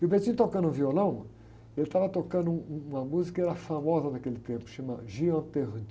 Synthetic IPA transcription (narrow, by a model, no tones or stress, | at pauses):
kɪʊbet͡ʃĩt̪okɐ̃nd̪ʊũviolɐ̃w̃ | elɪt̪avɐt̪okɐ̃nd̪ʊũũũmɐmuzikɐɛɾɐfamɔzɐd̪ɐkelɪt̪ẽpʊ̥ʃɐ̃maʒiɐ̃t̪eʁ